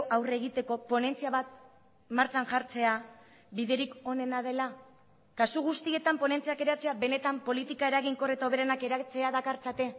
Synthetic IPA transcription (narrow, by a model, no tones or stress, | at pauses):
awre̞ɣ̞it̪e̞ko̞po̞ne̞nt͡siaβat̪̚ | maɾt͡saŋʝaɾt͡se̞a | βiðe̞ɾiko̞ne̞nað̞e̞la | kasuɣ̞ust̪ie̞t̪ampo̞ne̞nt͡siake̞ɾat͡se̞aβe̞ne̞t̪ampo̞lit̪ikae̞ɾaɣiŋko̞ret̪aoβe̞ɾanake̞ɾat͡se̞aðakaɾt͡sat̪e̞